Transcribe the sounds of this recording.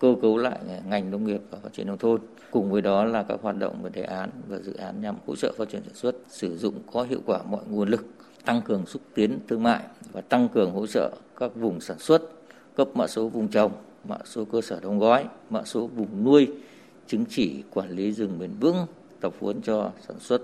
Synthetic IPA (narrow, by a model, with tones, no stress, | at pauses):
kəː˧kə˨˦wla̰ː˧˨jŋa˨˩jŋ̟nə˧wŋ͡mŋi˨˩əp̚vaː˨˩faː˦tt͡ɕi˧˩nə˧wt̪ʰo˧n | kʊ˨˩ŋ͡mvəː˨˦jɗɔ˨˦laː˨˩kaː˦˥k̚hwaː˨˩t̚ɗə̰˧˨wŋ͡mvəː˨˩jɗe˨˩ʔaː˨˦nvaː˨˩zɨ̰˧˨ʔaː˨˦nɲa˨˩mho̰˧˥t͡ɕə̰ː˧˨faː˦˥t͡ɕi˧˩ənsaː˧˩swə˦˥t̚sɨ˧˩zʊ̰˧˨ŋ͡mkɔ˨˦ɦḭ˧˨əwkwaː˧˩mɔ̰˧˨jŋu˧˩ənlɨ˨˩k̚ | t̪a˧ŋkɨ˨˩əŋsɨ˦˥k̚t̪i˨˦ənt̪ʰɨ˧əŋma̰ː˧˨jvaː˨˩t̪a˧ŋkɨ˨˩əŋɦo̰˧˥t͡ɕə̰ː˧˨kaː˦˥k̚vʊ˨˩ŋ͡msaː˧˩nswə˦˥t̚ | kə˦˥p̚ma̰ː˧˨so˨˦vʊ˨˩ŋ͡mt͡ɕa˨˩wŋ͡m | ma̰ː˧˨so˨˦kəː˧səː˧˩ɗə˨˧wŋ͡mɣɔ˨˦jma̰ː˧˨so˨˦vʊ˨˩ŋ͡mnu˧əj | t͡ɕi˨˦ŋt͡ɕi˧˩kwaː˧˩nli˨˦zɨ˨˩ŋɓi˨˩nvɨ̰˧˥ŋ | t̪ə˨˩w̚fṵ˨˦ənt͡ɕɔ˧saː˧˩nswə˦˥t̚